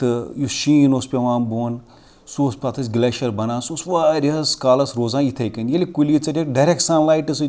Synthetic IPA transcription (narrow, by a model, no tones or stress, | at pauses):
t̪ɨjuʃiːnospʲeʋãːnboːn | suːspʲat̪ʰɐs̬ʲɡleʃɐɾbɐnãːsosʋaːɾʲiɐskaːlɐsɾoːzaːjit̪ʰɐjkɐnjɐlʲikulit͡sɐdeɖɐɾek̚ʈsãːnlaːjʈɨs